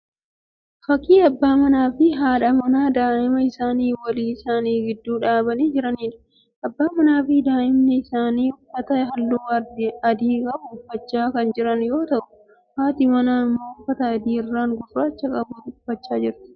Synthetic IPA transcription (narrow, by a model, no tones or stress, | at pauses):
fɐkːiːɐbːaːmɐnaːfɪɦaːᶑɐmɐnaːd̪aːʔɪmɐɪsaːniːwɐliːɪsaːniːɡɪd̪ːuːᶑaːbɐniːd͡ʒɪɾɐniːᶑɐ̥ | ʔɐbːaːmɐnaːfɪd̪aːʔɪmnɛɪsaːniːʊfɐt̪ɐɦɐlːʊːɐdɐd̪iːkʼɐbʊʊfːɐt͡ʃːaːkɐnd͡ʒɪɾɐnjo̞ːt̪ɐʔʊ | haːt̪ɪmɐnaːɪmːoːʊfɐt̪ɐːd̪iːɪrːaːŋɡɔfɾaːt͡ʃːɐkʼɐbʊt̪ʊfːɐt͡ʃːaːd͡ʒɪɾt̪ɪ̥